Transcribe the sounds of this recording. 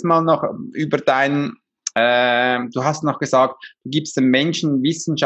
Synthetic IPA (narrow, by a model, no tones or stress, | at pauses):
maːlnɔχʔyːbəd̥aɪn | ɛd̥uːɦastnɔχɡ̥əzaːk̚td̥uːɡiːpstd̥emmɛnʃn̩vɪsn̩ʃa